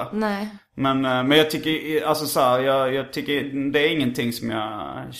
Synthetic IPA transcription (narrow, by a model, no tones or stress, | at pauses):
nɛ | mɛnmɛnjɑːt̪ʰʏkːəɾalsɔsɔhæːɾjɑːjɑːɡt̪ʰʏkːəɾd̪ɛæɾɪŋːənt̪ʰɪŋːsɔmjɑ̰